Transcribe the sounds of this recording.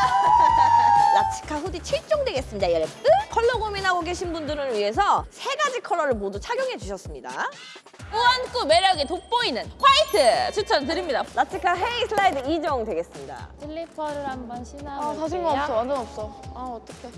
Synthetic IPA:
lat͡ɕʰi̥kʰaɸudit͡ɕʰiɭt͡ɕ͈oŋdwe̞ɡe̞s͈ɯmɲidajʌɭt͈ɯkʰʌɭːʌɡominɦaɡoɡe̞ɕʰinbundɯɾɯɭɥiɦe̞s̬ʰʌsʰe̞ɡad͡ʑikʰʌɭːʌɾɯɭmodut͡ɕʰaɡjoŋɦe̞d͡ʑuɕʰʌs͈ɯmɲida̰ | koank͈ume̞ɾjʌɡitok̚p͈ʌinɯnkʰwaitʰɯt͡ɕɯt͡ɕʰat̬ɯɾimɲidalat͡ɕʰikʰaɦeisʰɯɭːaidɯid͡ʑʌŋdwe̞ɡe̞s͈ɯmɲida̰tʰiɭːipʰʌɾɯɾhambʌnɕʰinaatas̬ʰɯŋɡaop̚s͈ʌmandɯnʌp̚s͈ʌaʌt͈ʌkʰe

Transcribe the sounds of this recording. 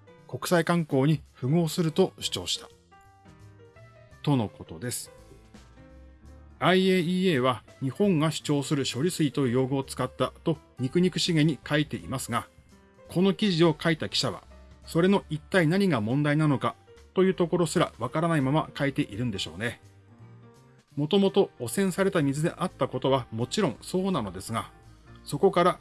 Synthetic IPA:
ko̞kɯ̟̥saikãŋko̞ːɲ̟iɸɯ̟ɡo̞ːsɨɾɯ̟t̪o̞ɕi̥t͡ɕo̞ːɕi̥t̪ḁ | t̪o̞noko̞t̪o̞d̪e̞sɨ̥ | aieːieːβaɲ̟ihõ̞ŋɡaɕi̥t͡ɕo̞ːsɨɾɯ̟ɕo̞ɾʲisɨit̪o̞ɯjo̞ːɡɯot͡sɨ̥kat̪ːat̪o̞ | ɲ̟ikɯ̟ɲ̟ikɯ̟̥ɕiɡẽ̞ɲ̟ːikʰait̪e̞ʔimasɨɡa | kʰo̞no̞kʲiʑio̞kait̪akʲi̥ɕaβa̰so̞ɾe̞no̞ʔit̪ːainaɲ̟iɡamõ̞nd̪ainano̞kat̪o̞jɯ̟ːt̪o̞ko̞ɾo̞sɨɾa̰βakaɾanaimamakait̪e̞ʔiɾɯ̟̃nd̪e̞ɕo̞̰ːne̞ | mo̞t̪o̞mo̞t̪o̞ːsẽ̞ɰ̃saɾe̞t̪amʲizɨd̪e̞̰ʔat̪ːako̞t̪o̞βamo̞t͡ɕiɾõ̞ŋ̃so̞ːnano̞d̪e̞sɨɡaso̞ko̞kaɾa

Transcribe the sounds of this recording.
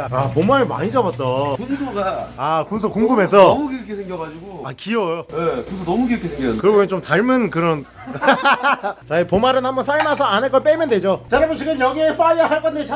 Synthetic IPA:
apomaɾɯma̰ɲid͡ʑʌbat̚t͈ʌkunsʰoɡaakuns̬ʰokuŋɡume̞sʰʌmuɡiɾkʰesʰeŋɡjʌɡad͡ʑiɡoakiʌjojekunsʰonʌmuɡiɾʌkʰesʰeŋɡʌkɯɾʌɡot͡ɕomtaɭmɯnkɯɾʌn | t͡ɕaipomaɾɯnɦhambʌnsʰaɭmas̬ʰʌanɦeɭk͈ʌɭp͈emjʌndwe̞d͡ʑot͡ɕaɾamɯt͡ɕiɡɯmjʌɡieɸaiaɦaɭk͈ʌndet͡ɕa

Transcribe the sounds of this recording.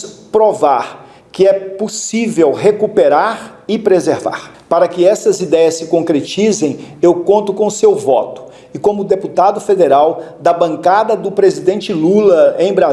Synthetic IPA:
pɾovaɾ | kɪɛposivewɦekupeɾaɾɪpɾezeɾva̰ɾ | paɾɐkɪɛsɐzid̪ɛjɐsɪkõkɾet͡ʃizẽj̃ewkõnt̪ʊkõʊsewvɔ̰t̪ʊ̥ | ɪkõmʊd̪eput̪ad̪ʊfed̪eɾawd̪ɐbɐ̃ŋkad̪ɐd̪ʊpɾezid̪ẽnt͡ʃɪlulɐẽj̃bɾa

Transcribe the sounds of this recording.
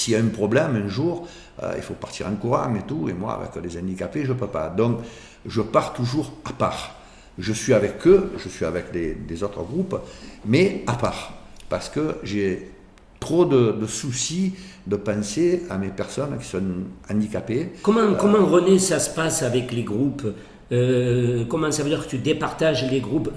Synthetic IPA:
siljaɛ̃mpχɔblɛmɛ̃ʒuʁ | ø̰ḭlfopaʁt̪iʁɑ̃ŋkuʁã̰ŋet̪uḛmwa̰a̰vɛ̰klezɑ̃d̪ikapeʒəpøpa̰d̪ɔ̃ŋk | ʒəpaʁt̪uʒuʁapa̰ʁ | ʒəsɥiavɛkʰøʒəsɥiavɛkd̪ed̪ezɔt̪χəɡʁupmɛapaʁ | paʁsə̥kəʒe | t̪χod̪əd̪əsusid̪əpãseamepɛʁsɔnkʲi̥sɔ̃ãd̪ikapekɔmɑ̃kɔmɑ̃ʁənesasə̥pasavɛkleɡʁup | økɔmɑ̃savəød̪iʁkət̪yd̪epaʁt̪aʒleɡʁup

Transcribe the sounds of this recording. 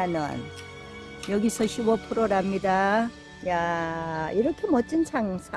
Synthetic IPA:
anʌ̰n | jʌɡisʰʌɕʰubʌpʰɯɾoɾamːida | ja | iɾʌkʰemʌt͡ɕ͈int͡ɕʰaŋsʰa

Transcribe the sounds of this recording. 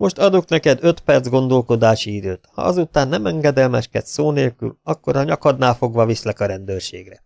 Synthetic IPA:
mo̞ʃt̪ɒd̪oknɛkɛd̪øt̪pɛrd̪zɡo̞nd̪o̞lko̞d̪aːʃiid̪øːt̪hɒ̰ɒzut̪aːnːɛmɛŋɡɛd̪ɛlmɛʃkɛt̪soːneːlky̰lɒkːo̞ɾɒɲɒkɒd̪naːfo̞ɡʋɒvislɛkɒɾɛnd̪øːrʃḛːɡrɛ

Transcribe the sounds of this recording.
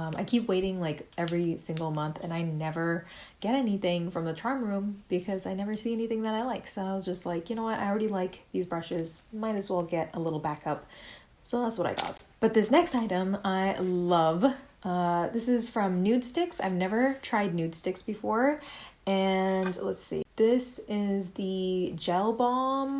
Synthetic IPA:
ma̰ɪkʰipweɪɾɪ̃ŋlaɪkʔɛvɹisɪ̃ŋɡl̩ˠmʌ̃nθɨ̰̃naɪnɛvə˞ | ɡ̥ɛɾɛniθɪ̃ŋfɹʌ̃mðətʰɹ̥ɑ̃ɹmɹʉ̃mb̥ɨkʰʌzaɪnɛvə˞siɛniθɪ̃ŋðəɾaɪlaɪksoʊaɪwʌzd͡ʒʌstˡlaɪkjɨnoʊwʌɾʔa̰ɪl̩ˠɹɛɾilaɪk̚ðizbɹʌʃɪzmaɪɾɨzwɛlˠɡɛɾəlɪɾl̩ˠbækʰʌp̚ | soʊðætswʌɾa̰ɪɡɑ̰t̚b̥ʌt̪̚ðɪsnɛkstaɪɾɨ̃maɪlʌvʔʌðɪsɨz̥fɹʌ̃mnʉd̥stɪksa̰ɪvnɛvə˞tʰɹ̥aɪdⁿnʉd̥stɪksb̥ɨfɔɹɨ̃nlətsḭðɪsɪzðɨd͡ʒɛlˠbɑ̃m

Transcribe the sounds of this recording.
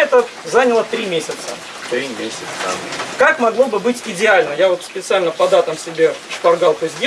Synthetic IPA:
ɛt̪ə | zanʲəlˠət̪ɾʲimʲesʲɪt̪sə | t̪ɾʲimʲesʲɪt̪st̪a̰mkakmɐɡlˠo̞bɨbɨtʲɪdʲɪalʲnəjavo̞t̪spʲɪt̪sɨalʲnəpɐd̪at̪əmsʲɪbʲeʂpɐrɡalˠt̪osʲdʲ

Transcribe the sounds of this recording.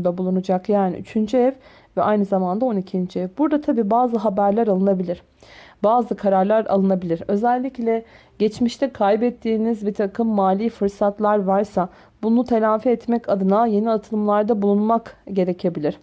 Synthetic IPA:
d̪abulˠunud͡ʒakjaːnḭʔy̰t͡ʃʰynd͡ʒyɛv | vɛʔajnɯzamand̪ao̞nicʰind͡ʒiɛvbuɾd̪at̪ʰabiːbaːzɯɦabæɾlʲæɾalˠɯnabilʲiɾ̥ | baːzɯkʰaɾaɾlˠaɾa̰lˠɯnabilʲiɾø̞zɛlʲːiclʲɛ | ɟɛt͡ʃmiʃt̪ʰɛkʰajbɛt̪ʰːiːnizbit̪ʰakʰɯmːaːlʲiːfɯɾsat̪lˠaɾvaɾsa | bunut̪ʰe̞lʲaːfɛɛt̪mɛcad̪ɯnaje̞niat̪ʰɯlˠɯmlˠaɾd̪abulˠunmakɟe̞ɾecʰe̞bilʲiɾ̥

